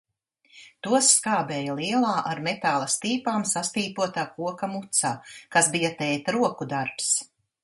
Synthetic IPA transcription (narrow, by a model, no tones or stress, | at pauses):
t̪uɔsːkaːbɛːjalˠiɛlˠaːʔaɾmet̪aːlˠɐst̪iːpaːmsast̪iːpuɔt̪aːkuɔkamut̪saːkasbijɐt̪ɛjt̪ɾuɔkud̪aɾps